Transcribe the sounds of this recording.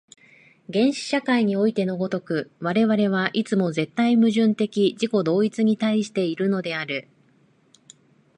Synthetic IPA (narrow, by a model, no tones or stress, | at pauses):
ɡẽ̞ɰ̃ɕi̥ɕakaiɲ̟io̞it̪e̞no̞ɡo̞t̪o̞kɯ̟βaɾe̞βaɾe̞β̞aʔit͡sɨmo̞ze̞t̪ːaimɯ̟ʑɨ̃nt̪e̞kʲiʑiko̞d̪o̞ːit͡sɨɲ̟it̪aiɕi̥t̪e̞iɾɯ̟no̞d̪e̞aɾɯ̟